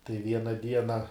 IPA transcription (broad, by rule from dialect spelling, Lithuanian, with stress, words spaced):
tɐɪ ˈʋʲiɛnɐ ˈdʲiɛnɐ